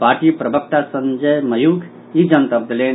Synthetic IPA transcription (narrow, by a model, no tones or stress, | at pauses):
paːɾʈipɾəbʱək̚t̪asə̃nd͡ʒəjməjukʰ | id͡ʒənt̪əb̚d̪əlen